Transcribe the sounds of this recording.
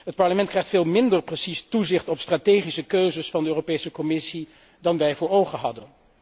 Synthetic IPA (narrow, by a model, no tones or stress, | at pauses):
ɦət̚pɑɹləmɛnt̚krɛjχtfeːlˠmɪndəɹprəsistuzɪχtɔpstraːtejχisəkøɥzəsfɑndəøːropejsəkɔmɪsi | dɑnʋɛjvʊːɹowχəɦɑ̰dən